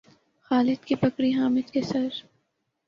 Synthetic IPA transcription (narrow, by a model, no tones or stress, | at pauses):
xaːlɪd̪̚kipɐkɾiɦaːmɪd̪kesɐɾ